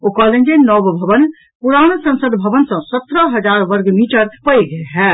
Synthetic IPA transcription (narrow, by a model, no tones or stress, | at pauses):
okɔːlend͡ʒenɔːbbʱɐʋən | pʊɾaːɽ̃osɐ̃nsəd̪bʱɐʋənsɐ̃sət̪ɾəɦɐd͡ʒaːɾʋəɾɡmiːʈəɾpəjɡəɦɛː